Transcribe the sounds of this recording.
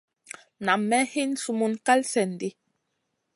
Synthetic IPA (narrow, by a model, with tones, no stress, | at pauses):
na˨mɛ˦he˦n˨su˦mu˦nka˦lsɛ˨n˨di˦